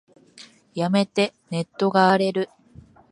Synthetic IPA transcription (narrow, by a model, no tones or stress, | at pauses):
jame̞t̪e̞ne̞t̪ːo̞ɡaːɾe̞ɾɯ̟